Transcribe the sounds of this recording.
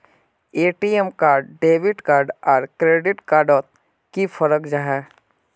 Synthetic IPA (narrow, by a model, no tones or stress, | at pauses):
eːʈiːemkaːɾɖɖeːʋɪʈkaːɾɖɔːɾkɾeːɖɪʈkaːɾɖɔːt̪̚ | kifʰəɾəkd͡ʒaɦɛː